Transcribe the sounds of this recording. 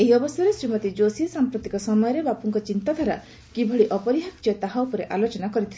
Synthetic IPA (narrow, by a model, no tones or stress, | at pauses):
eɦiɔbɔsjɔɾesɾimɔt̪id͡ʒosiɔsampɾot̪ikɔsɔmɔjɔɾebapɔŋkɔt͡ʃint̪ad̪ʱaɾa | kibʱɔɽiʔɔpɔɾiɦakt͡ʃɔt̪aɦaupɔɾeʔalot͡ʃɔnakɔɾit̪ʰil